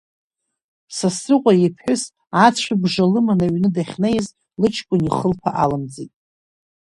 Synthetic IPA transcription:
sasrɨqʷʼajipʰħʷʊs | at͡sʷʰabʐalɨmanaɥnɨdaχʲnejz | lɨt͡ʃʰkʷʼʊniχəlpʰaʔalɨmd͡zitʼ

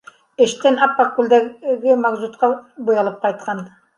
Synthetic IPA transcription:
ĕʃt̪ɘnɑpːakːuld̪æɡɪmɑɡzut̪̚qɑbujɑlˠɤp̚qɑjt̪̚qʰɑn

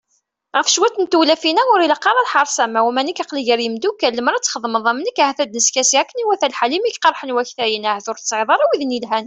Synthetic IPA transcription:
ʁəfʃwæt̪ːənt̪ulæfinæʊɾiləqːɑɾˤɑlħɑɾˤsæmæwæmænikɑqliʝəɾjəmd̪ukːælːəməɾˤæt͡sːχəðˤməðˤæmənəkahæθæd̪nəskæsiʕækːəniwæθælħalimikqɑɾˤħənwæçθæjənæhæθʊɾt̪sˤʕðˤɑɾˤæwiðnilɦæn

